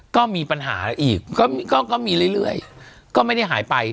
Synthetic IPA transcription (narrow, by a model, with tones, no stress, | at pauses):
kɔː˥˩miː˧pa˧nɦa̰ː˩˦ʔiː˨˩k̚kɔː˥˩˧kɔː˥˩kɔː˥˩miː˧ɾɯ˥˩jlɯ˥˩əj | kɔː˥˩ma˥˩jda˥˩jɦaː˩˦jpa˧j